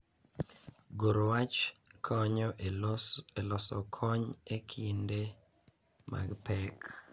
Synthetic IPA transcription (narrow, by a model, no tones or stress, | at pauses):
ɡoɾwat͡ʃkʰɔɲɔ | elɔsɔ̰kʰɔɲekʰinde | ma̰ɡpɛk